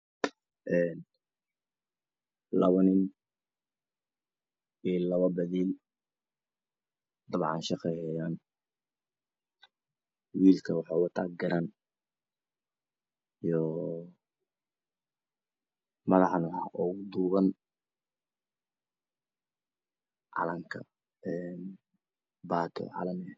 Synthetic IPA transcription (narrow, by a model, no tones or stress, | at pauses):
ʔɛːn | lɐβɐnɪn | iːlɐβɐbɐðiːl | d̪ɐβʕɑ̰nʃɑqɛjhɛjaːn | wiːlkʰɐwɑħɑːwɑt̪ʰa̰ːɡɐɾan | ijɔ | mɐðɑħnɐɦaʔɔɣʊd̪uːβɐn | ʕɑ̰lɐŋkʰɐ̰ | ɛn | baːt̪ʰɔ̰ʕɑ̰lɐmɪɐ